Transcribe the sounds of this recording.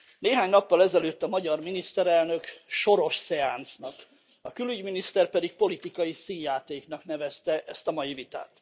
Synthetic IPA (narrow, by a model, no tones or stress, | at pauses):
neːɦaːɲnɒpːɒlɛzɛløːt̪ːɒmɒɟɒrminist̪ɛɾɛlnø̞kʃo̞ɾo̞ʃsɛaːnt̪snɒk | ɒkylyɟminist̪ɛrpɛd̪ik̚po̞lit̪ikɒjisiːnjaːt̪eːknɒknɛvɛst̪ɛʔɛst̪ɒmɒjivit̪a̰ːt̪